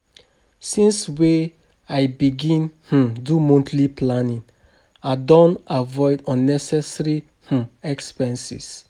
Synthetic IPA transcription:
sĩnswe | ajbiɡĩnh̩dumõntliplanĩn | adɔ̃navɔɪdɔ̃nːɛsɛsɹi | h̩ɛkspɛ̃nsḭs

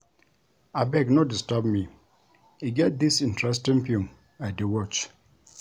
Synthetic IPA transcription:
abɛknodistəbmi | hiɡɛt̚d̪isĩntɹɛs̬tĩŋpũm | aɪdewɔt͡ʃ

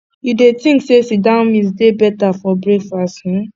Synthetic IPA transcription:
judetĩŋksesidãmĩsdebɛtafɔbɹekfastĩ

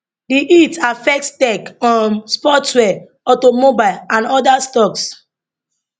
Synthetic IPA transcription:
diʔitafɛk̚tstɛkɔ̃nspɔtwɛ | ɔtomobaɪlãnɔdastɔks

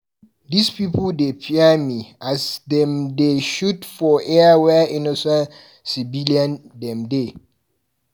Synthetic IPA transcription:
dispipudepʰiamiasdɛ̃mdeʃutfɔʔɛwɛinɔsɛ̃n | sibiliãndɛ̃mde

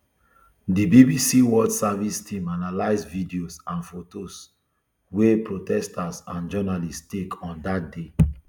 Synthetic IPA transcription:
dibibisiwɔdsavistʰĩmanalaɪsvidiosãnfotos | wepɹotɛstasãnd͡ʒɔnalistekʰɔ̃ndat̚de

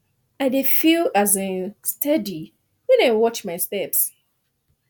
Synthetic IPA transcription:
aɪdefilazestʰadi | wɛ̃naɪwɔt͡ʃmaɪstɛps

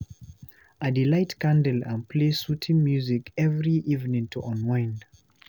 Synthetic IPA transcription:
adilaɪtkãndəlãnpʰlesutʰĩŋmjuzikɛvɹiʔivnĩŋtʰuʔɔ̃nwãɪ̃nd

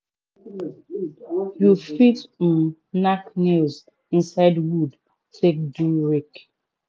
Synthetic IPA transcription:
jufit̩ | naknez | ĩnsaɪdwud | tʰek̚duɹek

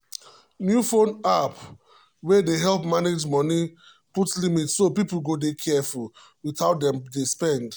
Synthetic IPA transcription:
njufõnap | wɛdeɦɛlpmaned͡ʒmɔni | putlimitsopipl̩ɡodekʰɛful | witaʊtdɛ̃mdespɛ̃nd

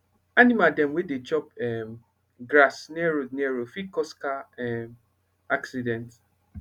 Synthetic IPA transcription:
animadɛ̃mwedet͡ʃɔpɛm | ɡɾasnɛɹonɛɹofikɔskaɛm | aksidɛ̃nt

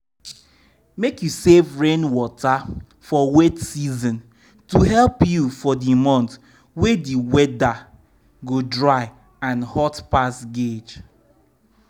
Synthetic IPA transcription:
mekjusevɹẽnwɔta | fɔwetsizɔ̃n | tuhɛlpjufɔdimɔ̃nt | wediwɛda | ɡodɹaɪ | ãnhɔtpasɡed͡ʒ

